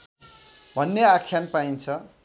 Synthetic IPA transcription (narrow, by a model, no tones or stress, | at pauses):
bʱʌnːeakʰjanpaint͡sʰʌ